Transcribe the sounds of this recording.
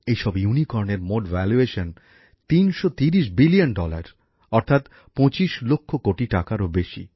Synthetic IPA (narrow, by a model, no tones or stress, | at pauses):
ejʃɔbjunikɔɾneɾmoɖvɛlueʃon | t̪inʃot̪iɾiʃ̬bilionɖɔla̰ɾ | ɔɾt̪ʰat̪ | pɔ̃t͡ɕiʃlokʰːokoʈiʈakaɾobeʃḭ